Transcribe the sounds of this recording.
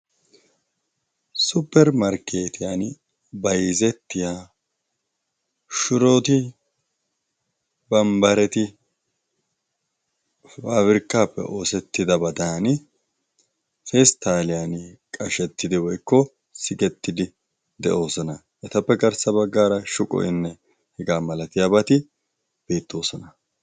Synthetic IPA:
sʊpːɛɾmɐɾkʰe̞ːt̪ɪjaːn | bɐjzɛt̪ːɪjaː | ʃʊɾo̞ːt̪ɪ | bɐmbɐɾɛt̪ɪ | faːwɪɾkːaːpːɛ̰ʔo̞ːsɛt̪ːɪd̪ɐbɐd̪aːn | fest̪aːlɪjankʼɐʃɛt̪ːɪd̪ɪwɔjkːɔ | sɪɡɛt̪ːɪd̪ɪ | d̪ɛ̰ʔo̞ːsɔnɐ | ʔɛt̪ɐpːɛɡɐɾsɐbɐɡːaːɾɐʃʊkʼɔ̰ʔɪnːɛ | hɛɡaːmɐlɐt̪ɪjaːbɐt̪ɪ | b̥eːt̪ʰːo̞ːsɔnɐ

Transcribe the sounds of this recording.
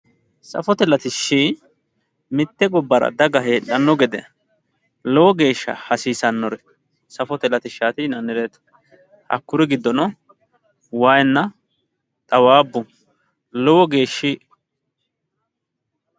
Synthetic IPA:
sɐ̰fɔt̪ɛlɐt̪ɪʃːi | mɪt̪ːɛɡɔbːɐɾɐ̰d̪ɐɡɐɦeːᶑɐnːɔɡɛd̪ɛ̰ | lɔwɔɡe̞ːʃːɐ̰hɐsiːsɐnːɔɾɛ | sɐfɔt̪ɛlɐt̪ɪʃːaːt̪ɪnɐnːɪɾeːt̪ | ɐ̰kːʊɾɪɡɪd̪ːɔnɔ | wajnːɐ | t̪ʼɐwaːbːʊ | lɔwɔɡe̞ːʃːi

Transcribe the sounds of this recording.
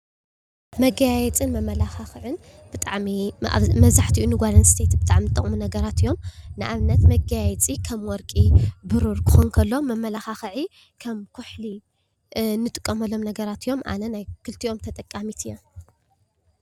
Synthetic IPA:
mɐɡajajɛt͡sʼɨnmɐmɐlaxaxʕɨn | b̥ɨt̪ʼaʕmia̰mɐβzaħt̪ʰiʔunɨɡʷalɐnst̪ʰet̪bɨt̪ʼaʕmnɨt̪ʼːɐ̰χʼmunɐɡɐɾat̪ɨjːo̞mnɨʔaβnɐt̪mɐɡajjɛt͡sʼikʰɐmwɔɾkʼibɨɾuɾkʰɨ̥xonkʰɐlːomɐmːɐlaxaxɨʕi | kʰɐmkʰuħli | nɨt̪ʼɨkʼːɐmɐlːo̞mnɐɡɐɾat̪ijo̞mʔa̰nɐnajkʰɨlt̪ʰio̞mt̪ʰɐt̪ʼɐkʼːamit̪ʰɨjːom

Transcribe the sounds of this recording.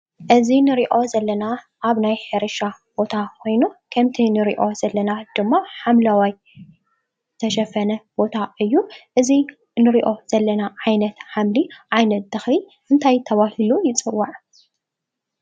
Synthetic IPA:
ʔɨzinɨɾiʔo̞zɐlːɐna | ʔaβnajheɾɨʃabo̞t̪ʰakʰo̞jnukʰɐmt̪ʰinɨɾḭʔo̞zɐlːɐnad̪̥ɨmːaħamlawaj | t̪ʰɐʃɐfɐnɐb̥o̞t̪ʰaɨjːuʔɨzi | nɨɾiʔo̞z̥ɐlːɐnaʕajnɐt̪ħamliʔajnɐt̪̚d̪ɐxli | ʔɨnt̪ʰajt̪ʰɐβahilujɪt͡sʼɨwːaʕ

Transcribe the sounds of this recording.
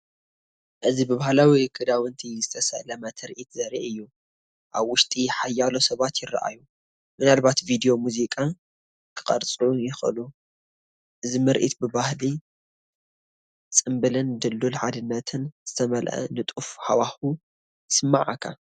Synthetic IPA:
ʔɨzibɨβahlawikʰɨd̪awɨnt̪ʰizɨt̪ʰɐsɐ̰lɐmɐt̪ʰɐɾʔit̪zɐɾiʔɨjːu | ʔaβwʊʃt̪ʼiħajːalosɐβat̪jɪɾɐ̰ʔa̰ju | mɨnalbat̪vid̪ijo̞muzikʼa | kʰɨ̥qʼɐɾt͡sʼujɪxɨlu | ʔɨzimɨɾʔḭt̪bɨbahli | t͡sʼɨmbɨlɨnd̪ɨlːulħad̪ɨnːɐt̪ʰɨnz̥ɨt̪ʰɐmɐlʔɐ̰nɨt̪ʼufħawaxu | sɨmːaʕakʰa̰

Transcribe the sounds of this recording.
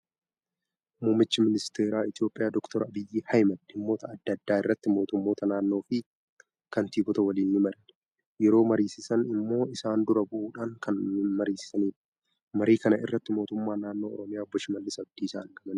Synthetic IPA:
muːmːɪt͡ʃːɪmɪnɪst̪eːɾaːɪt̪jo̞ːpʼːɪjaːd̪ɔkt̪ɔɾɐbɪjːiːhɐjmɐd̪ɪmːo̞ːt̪ɐɐd̪ːɐd̪ːaːɪrːɐt̪ːɪmo̞ːt̪ʊmːo̞ːt̪ɐnaːnːo̞ːfɪ | kɐnt̪iːɡɔt̪ɐwɐliːnːɪmɐɾɐn | jɛɾo̞ːmɐɾiːsɪsɐnɪmːo̞ːɪsaːnd̪ʊɾɐbʊʔuːᶑaːŋkɐnmɐɾiːsɪ̥sɐniːᶑɐ̥ | mɐɾiːkɐnɐʔɪ̰rːɐt̪ːɪmo̞ːt̪ʊmːaːnaːnːo̞ːɔ̰ɾɔmɪjaːɔbːɔʃɪmɐlːɪsɐb̚d̪iːsa̰ːŋɡɐmɐn

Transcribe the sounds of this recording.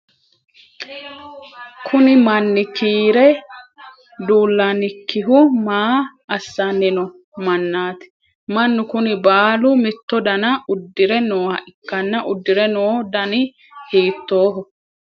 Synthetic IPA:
kʰʊnɪmɐnːɪkiːɾɛ | d̪uːlːanɪkːɪɦʊmaːɐsːɐnːɪnɔ | mɐnːaːt̪ɪ̥ | mɐnːʊkʊnɪbaːlʊmɪt̪ːɔd̪ɐnɐʊd̪ːɪɾɛnoːhɐ̰ʔɪkːɐnːɐʔʊd̪ːɪɾɛnoːd̪ɐnɪ | hiːt̪ːo̞ːɦɔ

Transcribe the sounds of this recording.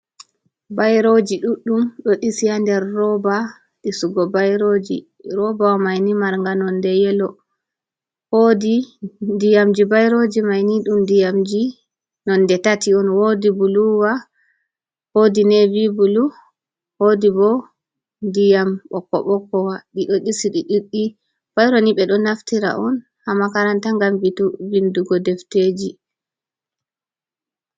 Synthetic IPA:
bajɾod͡ʒiɗuɗːumɗɔɗisijandɛɾːɔba | ɗisuɡɔbajɾod͡ʒḭ | ɾɔbawmajnimaɾŋɡanɔndɛjɛlɔ | hodidijamd͡ʒibajɾod͡ʒimajniɗumdijamd͡ʒi | nɔnːdɛtatiɔnwodibuluwa | hodinɛvibulu | hodibɔ | ndijamɓɔkːɔ̰ɓɔkːɔwaɗiɗɔɗisiɗiɗiɗːi | b̥ajɾoniɓɛɗɔnaftiɾa̰ʔɔn | hamakaɾantaŋɡambituvinduɡɔdɛfted͡ʒi

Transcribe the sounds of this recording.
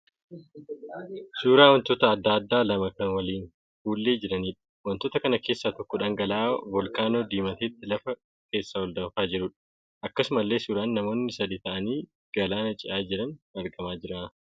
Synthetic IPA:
suːɾaːwɐnt̪ot̪ɐːd̪ːaːɐd̪ːaːlɐmɐkɐnwɐliːn | fuːlːeːd͡ʒɪɾɐniːᶑɐ̥wɐnt̪ːoːt̪ɐkɐnɐke̞ːsːaːt̪ɔkːɔᶑaːŋɡɐlaːbɔlkaːno̞ːd̪iːmɐt̪eːt̪ːɪlɐfɐ | ke̞ːsːaːwɔld̪ɐfaːd͡ʒɪɾʊᶑɐ̥ | ʔɐkːɐsʊmɐlːe̞ːsuːɾaːnːɐmo̞ːnːɪsɐd̪iːt̪ɐʔɐniː | ɡ̥ɐlaːnɐt͡ʃʼɪʔaːd͡ʒɪɾɐnɐɾɡɐmaːd͡ʒɪɾaː

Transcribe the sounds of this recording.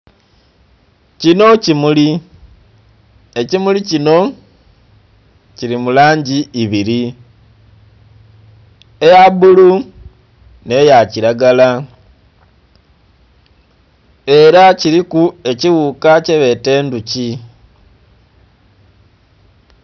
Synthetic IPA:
cino̞cimuli | e̞cimulicino̞ | ciɾimulaːɲɟiːβiɾi | ejaβulu | ne̞jaciɾaɡala | e̞ɾaciɾikue̞ciɣukaceβe̞te̞ːnduci

